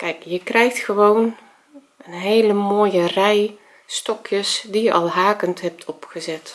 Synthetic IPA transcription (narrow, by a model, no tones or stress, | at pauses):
kɛjkjəkrɛjxtxəʋown | ənɦeːləmoːjərɛj | stɔkjəsdijəʔɑ̰lˠɦaːkəntɦɛp̚tʰɔpxəzɛt